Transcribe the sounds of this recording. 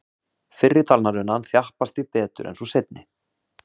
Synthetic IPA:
fɪrːɪt̪ʰalnaɾʏnːanθjahpast̪vipɛːt̪ʏ̰ɾʔɛ̰nsɔsejt̪̚nɪ

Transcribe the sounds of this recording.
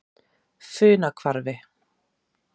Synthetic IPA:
fʏːnakʰvaɾvɪ

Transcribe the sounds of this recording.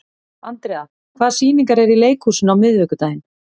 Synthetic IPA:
ant̪ɾɛːa | kʰvaːðsiːniŋkaɾɛɾileːjkhuːsɪnawmɪðvɛkʏt̪aːjɪn

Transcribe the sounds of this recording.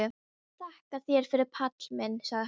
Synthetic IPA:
ʏ | t̪ʰahkaðθjɛɾ̥fɪɾɪɾpʰat̪lmɪnːsaɣ

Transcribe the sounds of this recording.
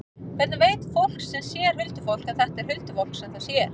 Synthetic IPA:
kʰɛɾt̪naveːjt̪fowl̥ksɛmsjɛɾ̥vɪlt̪ʏfowl̥kaðθɛht̪ɛɾ̥hʏlt̪ʏfowlksɛθaðsjɛɾ̥

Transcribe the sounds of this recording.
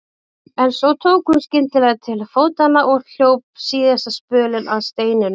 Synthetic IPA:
ɛnsɔwt̪ʰoːwkʏmscɪnt̪lɪvaðt̪ʰɪlfoːwt̪anːaʔɔɣɬjowp̚siːðɛsaspœːlɪnʔaðst̪eːjnɪn

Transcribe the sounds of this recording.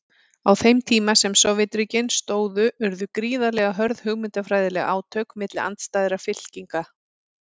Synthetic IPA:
awθejmt̪ʰiːmasɛmsɔvɪt̪ɾicɪnst̪oːwðʏʏɾðʏkɾiːðalɛɣaɦœɾðhʏɣmɪnt̪afɾaːjðɪlɛɣaa̰ːwt̪ʰœːkmɪt̪lɪa̰nt̪st̪ajðɪɾafɪl̥ciŋka

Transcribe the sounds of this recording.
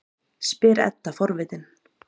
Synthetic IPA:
spɪːɾɛ̰t̪ːafɔɾvɪːt̪ɪn

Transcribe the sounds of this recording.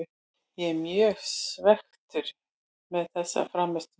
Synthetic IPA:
jɛmjœːɣsvɛxt̪ʏɾ̥ | mɛðθɛsːa̰fɾaːmːɛst̪

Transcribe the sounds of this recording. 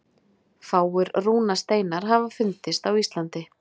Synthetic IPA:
faːwʏɾruːnast̪eːjnaɾ̥ɦavafʏnt̪ɪst̪awist̪lant̪ɪ

